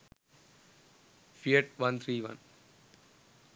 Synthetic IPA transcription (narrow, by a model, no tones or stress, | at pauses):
fieʈʋʌ̃nt̪ʰɾiːʋʌ̰̃n